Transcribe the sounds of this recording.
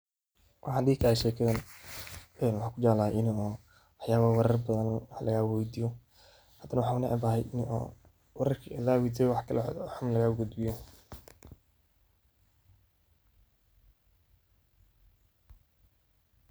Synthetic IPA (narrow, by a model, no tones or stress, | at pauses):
wʔɑħɑd̪iːkʰɐhɛʃɛːkʰɐðɐn | ɛnwɑħɑːkʰʊd͡ʒalaːʔɪnɔː | ɑħjaːβawɛɾɐrbɐðɐnwħlɐɣaːwɛd̪ijɔ | hɐd̪ɐnɐwɑħɑːʊnɐʔɐ̰baːɦɛjʔɪnʔɔ̰ː | wɛɾɐrkʰiʔɐlaːwid̪ɛwɑħkʰɐlɛħʊmlɐɣaːʊɡʊd̪bɪjɔ